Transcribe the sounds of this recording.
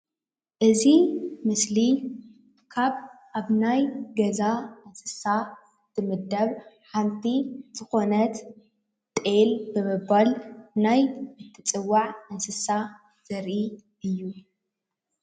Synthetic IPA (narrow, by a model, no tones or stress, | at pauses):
ʔɨzimɨsli | kʰaβʔaβnajɡɐzaɨnsɨ̥sa | t̪ʰɨmɨd̪ɐβħamt̪ʰiz̥ɨxo̞nɐt̪ | t̪ʼelbɨmɨbalnajɨt̪ʰːɨt͡sʼɨwːaʕɨnsɨsa | z̥ɐɾʔi | ɨjːu